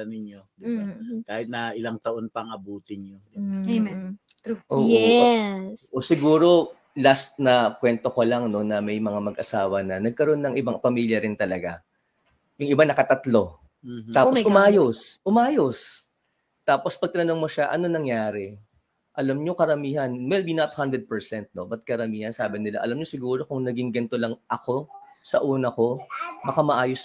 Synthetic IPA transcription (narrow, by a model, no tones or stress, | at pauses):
ɐnɪnod̪ɪbakaːhɪt̪̚nɐʔɪlaŋt̪ɐʔonpɐŋɐbuːt̪ɪnod | uʔoːʔɛsʔosɪɡuːɾo̞ | last̪̚nɐkwɛnt̪o̞kɐlaŋno̞nɐmɐjmɐŋamɐɡʔɐsaːwɐnɐnɐɡ̚kɐɾo̞nːɐŋʔɪbaŋpɐmiːljɐɾɪnt̪ɐlɐɡa | jʊŋɪbanɐkɐt̪ɐt̪lo̞ | taːposʔʊmʔaːjosʔʊmʔaːjos | t̪aːpo̞spɐɡ̚t̪ɐnɐno̞ŋmoʃaʔɐ̰nonɐŋjaːɾɛ | ʔɐlɐmɲo̞kɐɾɐmiːɦɐnwɛlbinɐt̪hand̪ɾɛd̪̚pɛɹsɛnt̪̚no̞bɐt̪̚kɐɾɐmiːhɐnsaːbɪnɪla̰ʔɐ̰lɐmɲo̞sɪɡuːɾo̞kʊŋnɐɡɪŋɡɐnt̪o̞lɐŋʔɐko̞sɐʔuːnɐko̞bɐkamɐʔaːjos